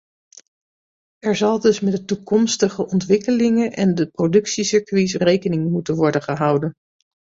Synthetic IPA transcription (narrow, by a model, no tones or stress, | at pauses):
ɛɹzɑlˠdɵsmɛdətukɔmstəχəʔɔntʋɪkəlɪŋənʔɛndəprowdɵksisɪɹkʋisrejkənɪŋmutənʋɔɹdənχəɦʌwdən